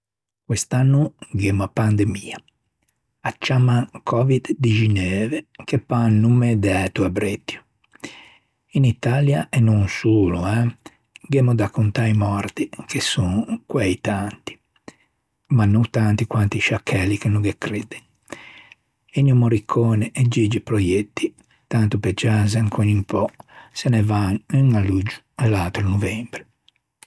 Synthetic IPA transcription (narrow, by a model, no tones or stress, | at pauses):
kwest̪anːuɡemuapːand̪emiːa | at͡ʃːamːakʰɔvid̪d̪id͡ʒinɛːvekepːanːumːed̪ɛːt̪uabɾet̪ːjo | init̪aljaʔɛnːuŋsuːluɛ | ɡemud̪akːunt̪ajmɔɾt̪ikesuŋkwɛjt̪ant̪i̥ | manːut̪ant̪ikwant̪iʃakʰːɛlːikenːuɡɛkɾed̪ɛn | iɲumoɾikʰːɔːnɛɛd͡ʒid͡ʒipɾɔjɛt̪ːi | t̪ant̪upɛd͡ʒazɛŋkʰunimpɔsɛnɛvaŋyŋalud͡ʒu̥ | ɛlalt̪ɾunuvɛmbɾɛ